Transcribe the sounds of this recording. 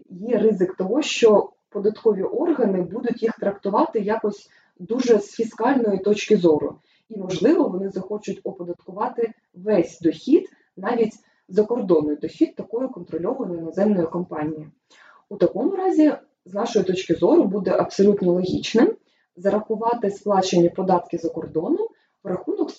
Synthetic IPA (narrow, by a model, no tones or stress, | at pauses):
jɛɾɪzɪkt̪ɔɦɔʃt͡ʃɔ | pɔd̪ɐt̪kɔʋʲiʔɔrɦɐnɪbud̪ʊtʲjixt̪ɾɐkt̪ʊʋɑt̪ɪjɑkɔsʲ | d̪uʒɛsfʲiskɑlʲnɔjit̪ɔt͡ʃkɪzɔɾʊ̰ | imɔʒlˠɪʋɔʋɔnɪzɐxɔt͡ʃʊtʲɔpɔd̪ɐt̪kʊʋɑt̪ɪ | ʋɛsʲd̪ɔxʲid̪ | nɑʋʲitʲ | zɐkɔrd̪ɔnɔjd̪ɔxʲit̪̚ːɐkɔjʊkɔnt̪ɾɔlʲɔʋɐjnɔjnɔzɛmnɔjʊkɔmpɑnʲiji | ut̪ɐkɔmʊɾɑzʲi | znɑʃɔjit̪ɔt͡ʃkɪzɔɾʊbud̪ɛʔɐpsɔlʲut̪nɔlˠɔɦʲit͡ʃnɪm | zɐɾɐxʊʋɑt̪ɪsplˠɑt͡ʃenʲipɔd̪ɑt̪kɪzɐkɔrd̪ɔnʊm | ɾɐxunɔk